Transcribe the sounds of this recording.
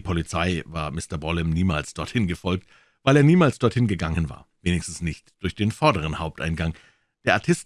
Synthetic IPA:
pʰɔlit͡saɪva̰ːɐmɪstɐbɔlɛmniːma̰ːlsd̥ɔɐthɪnɡəfɔlk̚t | vaɪleːɐniːmaːlsd̥ɔɐthɪnɡəɡaŋənva̰ːɐveːnɪçstn̩snɪçtd̥ʊɐçd̥eːnfɔɐdəʁ̞ənhaʊp̚tʔa̰ɪnɡaŋ | d̥eːɐʔaɐtʰɪst

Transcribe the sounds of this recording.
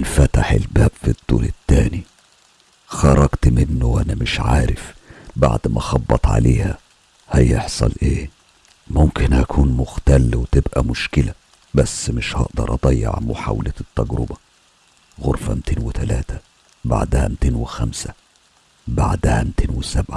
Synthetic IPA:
ʔlfæt̪aħḛlbæːb̥fid̪ˤːṵːlɪt̪ːæːni | xɑɾˤɑɡt̪mɪnːoʔænæmɪʃʕaːɾɪfba̰ʕd̪mʔæxɑbːɑt̪ˤʕa̰leːhæ | hæjeħsˤɑlʔeː | mʊmkɪnʔækʰuːnmʊxt̪ælwet̪ebʔæmʊʃkɪlæ | bæsːmɪʃhɑʔd̪ɑɾˤʔɑd̪ˤɑjːḛʕmoħa̰wlæt̪ːæɡɾʊbæ | ɣoɾˤfæmt̪ʰeːnwɪt̪ælæːt̪ʰæ | ba̰ʕd̪hæ̰mt̪eːnwɪxæmsæ | baʕd̪hæmt̪ʰeːnwɪsæbʕa

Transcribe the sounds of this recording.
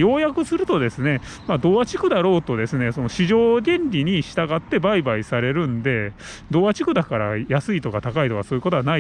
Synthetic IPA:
jo̞ːjakɯ̟sɨɾɯ̟t̪o̞d̪e̞sɨne̞mad̪o̞ːat͡ɕi̥kɯ̟d̪aɾo̞ːt̪o̞d̪e̞sɨne̞so̞no̞ɕiʑo̞ːd̪ʲẽ̞nɾʲiɲ̟iɕi̥t̪aɡat̪ːe̞baibaisaɾe̞ɾɯ̟̃nd̪e̞ | d̪o̞ːat͡ɕi̥kɯ̟d̪akaɾa̰jasɨit̪o̞kat̪akait̪o̞kaso̞ːjɯ̟kot̪oana

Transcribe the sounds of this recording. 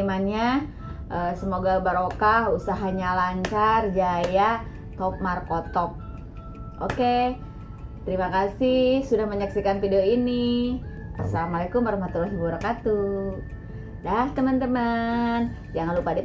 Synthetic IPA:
manɲa | ʔəsəmoɡabaɾokahusaɦaɲalaɲt͡ʃard͡ʒaja | t̪ɔp̚markot̪ɔp̚ | ʔoke | t̪əɾimakasihsudahməɲaksikanfidioini | ʔa̰salamalekʊmbərmat̪uɾoɦibuɾakat̪u | daht̪əmənt̪əmən | d͡ʒaŋalupada

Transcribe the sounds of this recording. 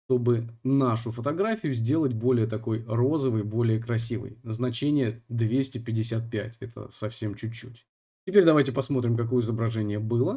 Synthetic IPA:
ʂt̪o̞bɨnaʂʊfət̪ɐɡɾafʲɪjʊzʲdʲe̞lˠətʲbo̞lʲɪjət̪ɐko̞jro̞zəvɨjbo̞lʲɪjəkɾɐsʲivɨ̰jznɐt͡ɕenʲɪjəd̪vʲesʲtʲɪpʲɪdʲɪsʲat̪̚pʲætʲɛt̪ʰə̰sɐfsʲe̞mt͡ɕʉt͡ɕːṵtʲ | tʲɪpʲeɾʲd̪ɐvajtʲɪpɐsmo̞t̪ɾʲɪmkɐko̞jəɪzəbɾɐʐɛnʲɪjəbɨlˠə

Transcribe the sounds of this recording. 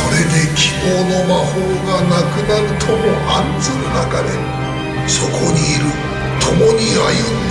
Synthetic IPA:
oɾe̞d̪e̞kʲʰibo̞ːno̞maɸoːɡanakɯ̟naɾɯ̟t̪ʰomoʔanzɨnɯnaka̰d̪e̞̰ | so̞kʰo̞ɲ̟iːɾɯ̟ | t̪ʰomoɲ̟ia̰jɯ

